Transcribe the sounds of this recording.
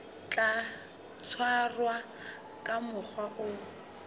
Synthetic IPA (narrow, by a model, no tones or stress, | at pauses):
t͡ɬʼa | t͡sʰwarwa | kʼamʊk͡xwaʔʊ